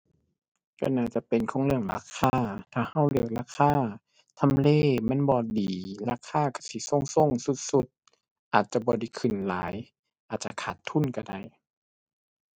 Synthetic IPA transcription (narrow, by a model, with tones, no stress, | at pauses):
kɔ̰˧˩naː˧˩t͡ɕa˧˨pe˨nkʰɔː˧˦ŋlɯ˧˩əŋla̰ː˧˥˨kʰaː˧˩˨t̪ʰaː˧˩ha˧˥˩wlɯ˧˩ə˨k̚laː˧˥kʰaː˧˥˨ | t̪ʰa˧˨mleː˧˩˨ma˧˥˨nbɔː˧˦diː˨˦laː˧˥kʰaː˧˥˨ka˧˩siː˧˦so˧˥˨ŋso˧˨ŋsu˧˦t̪̚su˧˦t̪̚ | ʔaː˨˩t̪̚t͡ɕa˧˦bɔː˧˦da˧˩jkʰɯ˨˧˩nla̰ː˨˦j | ʔaː˨˩t̪̚t͡ɕa̰˧kʰaː˧˩t̪ʰːu˧˥˨nka˧˩da˧˩j